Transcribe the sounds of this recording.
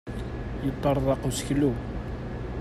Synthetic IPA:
jət̪ˤːɑɾˤðˤɑqusəçlu

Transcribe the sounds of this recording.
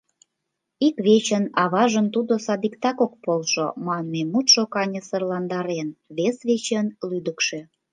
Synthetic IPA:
ikβet͡ɕə̆nɑβɑʒənt̪ud̪osɑd̪ikt̪ɑkok̚polʃo̰mɑnmemut̪ʃokɑnʲə̆sərlɑnd̪ɑɾenβesβet͡ɕənlyd̪əkʃe

